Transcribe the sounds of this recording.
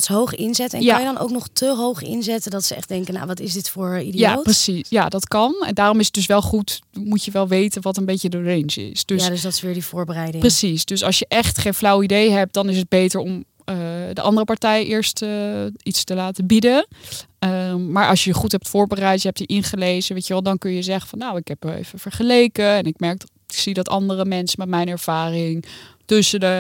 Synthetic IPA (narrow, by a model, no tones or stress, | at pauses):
sɦowχəʔɪnzɛtɛ̰njkaɑnjədɑnʔo̰wknɔχtʰəɦowχɪ̰nzɛtədɑtsəɛ̰χdɛŋkəna̰wʋɑtɪsdɪtfʊːɹidijaprəsijadɑtkɑnɛ̰ndaːrɔmɪsət̚d̥ɵsʋɛlˠχutmucəʋɛlˠʋejtənʋɑtənbejcədəɹejnd͡ʒɪ̰sd̥øsdsdɔtɪ̥ʋɪːɹdivʊːɹbərɛjdɪprəsisd̥øsɑlˠsjəʔɛχtχejnflɑwidejɦɛp̚t̚d̥ɑnɪsəd̚bejtəɹɔm | ədəʔɑndərəpɑɹtɛjəʔɪːɹstəitstəlaːtəbidə | əmaːɹʔɑlˠʃjəjəχutɦɛp̚tfʊːɹbərɛjtjəɦɛptəʔɪnχəlejzəʋejcəʋɛlˠdɑnkɵnjəzɛχə̥fɑnːowɪkɦɛpḛv̥əfəɹχəlejkəɛnɪkmɛɹk̚ | ksidɑtɑndərəmɛnsəmɛtmɛjnɛɹv̥aːrɪŋtʏsədə